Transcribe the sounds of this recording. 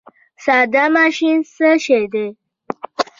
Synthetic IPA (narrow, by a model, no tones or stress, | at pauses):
sad̪amaʃinsəʃed̪e